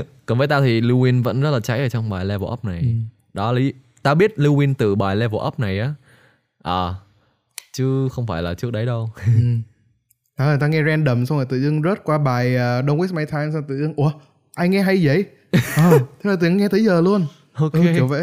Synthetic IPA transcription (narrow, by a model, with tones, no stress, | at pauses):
kɔ˨˩nvəː˨˦t̪aː˧t̪ʰi˨˩li˧wi˧nvə̰˧˥nzə˦˥laː˨˩t͡ɕa̰˨˦jʔəː˨˩t͡ɕɔ˧wŋ͡mɓaː˨˩jlɛ˧vo̰˨˧˨ʔə̰˦˥p̚na˨˩j | ɗɔ˨˦li˨˦ | t̪aː˧ɓi˦˥ət̚li˧wi˧nt̪ɨ˨˩ɓaː˨˩jlɛ˧vo̰˧˩ʔə˦˥p̚na˨˩jʔaː˨˦ | ʔəː˨˩ | t͡ɕɨ˨˦xə˧wŋ͡mfaː˧˩jlaː˨˩t͡ɕɨ˦˥ək̚ɗə˨˦jɗə˧w | t̪aː˨˧˩ə˨˩t̪aː˧ŋɛ˧zɛ˧nɗə˨˩msa˧ŋ͡maː˨˩t̪ɨ̰˧˨zɨ˧ŋzə˦˥t̚kwaː˧ɓaː˨˩jʔəː˨˩ɗo˧ŋwma˧jt̪ʰaː˧jmsa˧t̪ɨ̰˧˨zɨ˧ŋʔu˧˩ə | ʔaː˧jŋɛ˧ɦa˧jzə̰˧˥˨j | ʔəː˨˩t̪ʰə˨˦˥naː˨˩t̪ɨ˨˩ə˨˧ŋɛ˧t̪ʰə˨˦jzəː˨˩lu˧ən | ʔo˧kʔi˨˩wvə̰˧˥